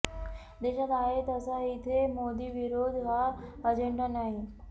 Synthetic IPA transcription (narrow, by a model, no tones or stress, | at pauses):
d̪eɕat̪aɦet̪əsait̪ʰemod̪iːʋiɾod̪ʱɦaəd͡ʑeɳɖanaɦi